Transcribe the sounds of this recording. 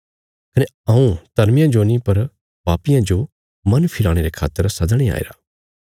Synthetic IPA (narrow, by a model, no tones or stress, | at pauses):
kɐne | ɐ̃ũt̪ɐɾmɪjãd͡ʒonipɐɾ | baːpɪjãd͡ʒo | mɐnpʰɪlaːɽ̃eɾekʰa̰ːt̪ːəɾsɐd̪ɽ̃ia̰ːḛːɾaː